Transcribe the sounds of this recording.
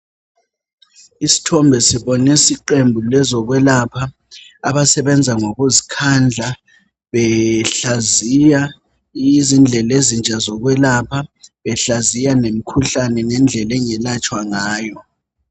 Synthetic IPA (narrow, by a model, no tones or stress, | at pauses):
isi̥tʰɔmbʱɛsiβɔnɛsiǃembʱulɛzɔɣwɛlapʰa | aβasɛβɛnd͡zʱaŋoɣuzikʰand͡ɮʱa | βɛɬazija | iizind͡ɮʱɛlezint͡ʃʼazɔɣwɛlapʰaβɛɬazijanem̩kʰuɬanɛnɛnd͡ɮʱɛlɛŋɛlat͡ʃʼwaŋaːjɔ